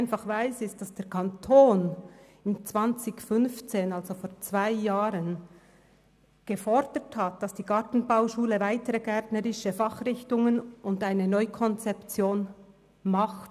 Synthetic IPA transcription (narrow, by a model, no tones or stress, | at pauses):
ɪnfɑχvaɪsɪs̚d̥asd̥eːɾkʰɑntʰoːn | ɪnt͡sv̥ɑnt͡sɪçfʏnft͡seːnalzofoːɾt͡sv̥aɪjaːɾən | ɡ̥əfɔɾd̥əthat̚d̥ɑsd̥iːɡ̥ɑtn̩baʊʃuːləvaɪtəɾəɡɛtnəɾɪʃəfɑχrɪçtʊŋənʊndaɪnənɔʏkʰɔnt͡sɛpt͡sjoːn | mɑχt